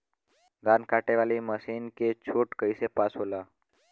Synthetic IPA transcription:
ɡʱankʰaʈeʋaliməsinket͡ɕʰoʈkəisepasɦola

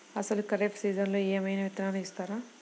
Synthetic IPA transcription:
ɐsɐlukɐɾek̚ʈsiːd͡ʒɐnloːeːmɐjnaːʋit̪ɾaːnɐist̪aːɾaː

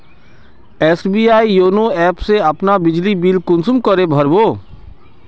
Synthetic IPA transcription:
eːsbiːaːijoːnoɛːpseɐpnabɪd͡ʒlibiːlkʊ̃nsʊmkəɾebʱɐɾboː

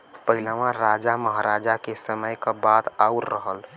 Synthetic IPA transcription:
pəɦilamãɾad͡ʒaməɦaɾad͡ʒakesəməjkabad̪auɾːəɦəl

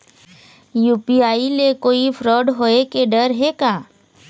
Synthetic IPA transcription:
juːpiaːilekoːipʰɾoːɖɦoːekeɖəɾɦekaː

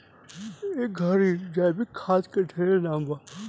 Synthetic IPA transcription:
eɡʱəɾid͡ʒaːbikʰaːskəʈʰeɾenãːmbaː

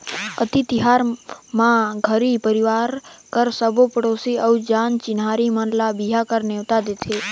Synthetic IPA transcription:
ət̪it̪iɦaɾmãɡʱəɾipəɾiʋaɾkəɾsəbopəɽosiəwd͡ʒant͡ʃɪnɦaɾimənlabiɦakəɾneʋt̪ad̪et͡ʃʰe

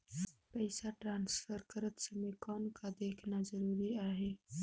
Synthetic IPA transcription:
pajsaʈɾɑnsfəɾkəɾət̪səmekɑnkad̪eknazaɾuɾiaɦe

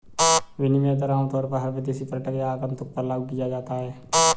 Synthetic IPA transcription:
ʋɪnɪmẽːt̪əɾaːmt̪ɔːɾpəɾɦəɾbed̪isipɾəʈəkeaːkəmt̪ʊk̚pəɾlaɡkijad͡ʒaːt̪aɦɛː

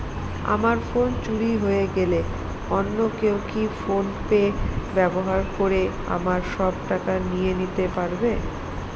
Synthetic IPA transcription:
a̰maɾfont͡ɕuɽiɦoeɡele | ɔnːokewkifonpebɛboɦaɾkoɾe | a̰maɾʃɔb̚ʈakanijenit̪epaɾbe

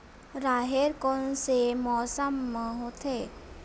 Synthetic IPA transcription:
ɾaɦeɾkɔnsemɔsəmːəɦot̪ʰe

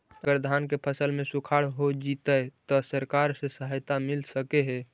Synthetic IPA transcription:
əɡəɾd̪ʱaːnkepʰəsəlmẽsukʰaɽɦod͡ʒit̪ət̪ɔsəɾkaɾsesəɦəjt̪amɪlsəkeɦɛ

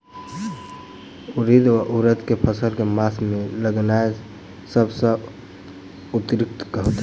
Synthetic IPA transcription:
uɾid̪ʋaʔuɾət̪kepʰəsəlkemasmeləɡnae | səbsə̃ | ut̪ɾik̚t̪kəɦot̪

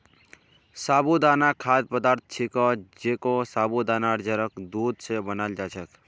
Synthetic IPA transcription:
sabud̪anakʰad̪̚pəd̪aɾt̪̚ʰt͡ʃʰikɔd͡ʒekosabud̪anaɾd͡ʒəɾəkd̪ud̪sebənald͡ʒat͡ʃʰək

